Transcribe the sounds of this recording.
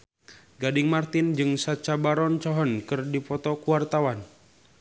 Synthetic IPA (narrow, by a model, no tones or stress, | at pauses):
ɡadɪŋmart̪ɪnd͡ʒɨŋsat͡ʃabaɾɔnt͡ʃɔɦɔnkɨrdipɔt̪ɔkuwart̪awan